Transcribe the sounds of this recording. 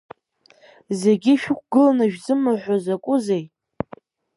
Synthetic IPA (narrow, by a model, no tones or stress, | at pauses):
zeɡʲiʃᶣʊk̚ʷʰɡɨlanaʒᶣzɨmaħʷozakʷʼʊzej